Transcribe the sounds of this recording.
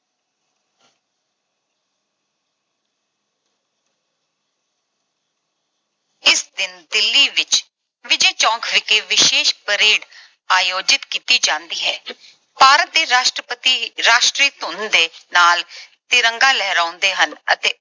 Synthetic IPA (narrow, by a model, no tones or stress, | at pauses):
ɪsd̪ɪnd̪ɪlːiːʋɪt͡ʃ | ʋɪd͡ʒeːt͡ʃɔ̃ːŋkʰʋɪkeːʋɪʃeːʃpəɾeːɽ | aːjoːd͡ʒɪt̪kiːt̪iːd͡ʒãːnd̪iːɦɛː | paːɾət̪̚d̪eːɾaːʃʈɾəpət̪iːɾaːʃʈɾiːt̪ʊnd̪eːnaːlt̪ɪɾəŋɡaːlɛːɾãːʊnd̪eːɦənə̰t̪eː